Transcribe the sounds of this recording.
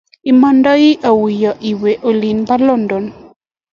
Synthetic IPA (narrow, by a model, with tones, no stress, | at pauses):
i˨manda˦ji˦ʔa˨wi˨ja˨ʔi˨we˨ʔo˨li˨npa˦lɔ˦ndɔ˨n